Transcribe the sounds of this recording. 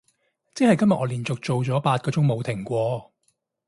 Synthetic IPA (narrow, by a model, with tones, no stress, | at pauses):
t͡sɛː˨˥hɐ˨jkɐ˥mjɐ˨ʔ̚ɔː˨˧liː˨˩nt͡sʊ˨k̚t͡so˨wt͡sɔː˨˥paː˧t̚kɔː˨˧˥t͡sʊ˨˥ŋmo˨˧wt̪ʰɪ˨˩ŋkʷɔː˧